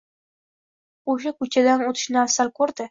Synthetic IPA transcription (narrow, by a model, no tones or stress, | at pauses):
oʃ̬akɵt͡ʃʰad̪anot̪ʰɪ̥ʃnɪasalkʰɵɾd̪ɪ